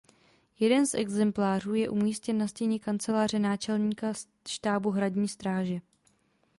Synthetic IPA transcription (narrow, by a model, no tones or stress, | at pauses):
jɛdɛnsʔɛ̰ɡzɛmplaːr̝uːjɛʔumiːscɛnːascɛɲɛkant͡sɛlaːr̝ɛnaːt͡ʃɛlɲiːkas | ʃt̪aːbuɦɾaɟɲiːst̪ɾaːʒɛ